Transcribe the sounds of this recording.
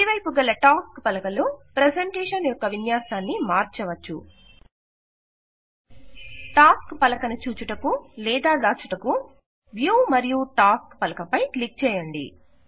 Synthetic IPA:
iʋɐjpuɡɐlːɐʈaːskpɐlɐkɐlupɾeseɳʈeːʂɐnjɔkːɐʋinjaːsaːnːimaːɾt͡ʃɐʋɐt͡ʃːṵ | ʈaːskpɐlɐkɐnut͡ʃuːt͡ʃuʈɐkulɛːd̪aːd̪aːt͡ʃuʈɐku | ʋjuːmɐɾijuʈaːskpɐlɐkɐpɐjklik̚t͡ʃɛːjɐɳɖḭ

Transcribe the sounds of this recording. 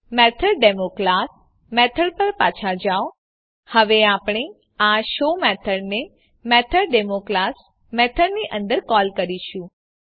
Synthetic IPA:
mɛt̪ʰəɾɖɛmoklas | mɛt̪ʰəɽpəɾpat͡ʃʰad͡ʒao | həʋeapɽ̃e | aʃomɛt̪ʰəɽne | mɛt̪ʰəɾɖemoklas | mɛt̪ʰəɽniʔə̃nd̪əɾkɔlkəɾiʃũ

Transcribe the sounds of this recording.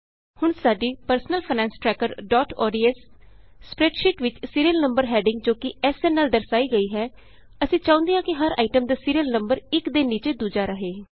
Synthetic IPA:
hʊɳsaːɖiːpəɾsənəlpʰanɛ̃ːnsʈɾɛːkəɾɖɔːʈɔ̰ːɖiːɛsː | pɾɛːʈʃɪʈʋɪt͡ʃsiːɾiəlnəmbəɾɦɛːɖɪ̃ŋɡd͡ʒoːkɪɛːsɛːnɛːld̪əɾsaːiːɡəiːɦɛː | əsĩːt͡ʃãːnd̪ijãːkɪɦəɾa̰ːɪʈəmd̪aːsiːɾijəlnəmbəɾɪkd̪eːnːiːt͡ʃeːd̪uːd͡ʒaːɾəɦeː

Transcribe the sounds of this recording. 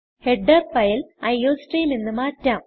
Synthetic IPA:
heɖːɐrpɐjilɐjːoːsʈijilninːɨmaːtːaːm

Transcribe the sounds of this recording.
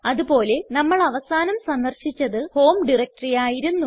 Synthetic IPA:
ɐðupo̞ːle̞nɐmːɐɭɐʋɐsaːnɐmsɐnd̪ɐrɕit͡ɕːɐðɨho̞ːmɖirɐk̚ʈɐrijaːjiɾunːu

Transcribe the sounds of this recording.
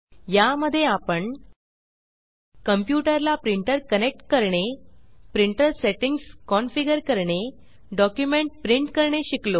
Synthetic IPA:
jaməd̪ʱːjeapəɳ | kəmpjuʈəɾlapɾiɳʈəɾkənek̚ʈkəɾɳepɾiɳʈəɾseʈiŋɡskɔnfiɡəɾkəɾɳe | ɖɔkjumeɳʈ̚pɾiɳʈkəɾɳeɕiklo

